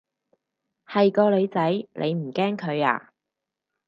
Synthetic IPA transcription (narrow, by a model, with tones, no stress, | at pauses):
hɐ˨jkɔː˧le˨˧jt͡sɐ˨˥jlʔḛ˨˧jm̩˨˩kɛː˥ŋkʰɵ˨˧ɥa̰ː˨˩